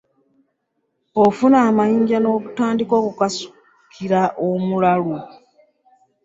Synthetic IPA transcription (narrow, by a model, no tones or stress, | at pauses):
ofunaːmajiːɲɟano̞ːβutaːndiko̞ːkukasu̥ | kʰiɾaʔomulalu